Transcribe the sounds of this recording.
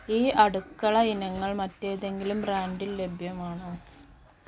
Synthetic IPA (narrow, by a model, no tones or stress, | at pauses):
iːʔɐɽukːɐɭɐinɐŋːɐɭmɐtːe̞ːðe̞ŋɡilumbraːnɖille̞bʱjɐmaːɳɨ